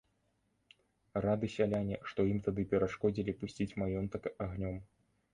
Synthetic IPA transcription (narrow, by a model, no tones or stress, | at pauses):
rad̪ɨsʲalʲanʲɛʂt̪ɔjimt̪ad̪ɨpʲɛɾaʂkɔd͡zʲilʲipusʲt͡sʲit͡sʲmajɔnt̪ɐkaɣnʲɔm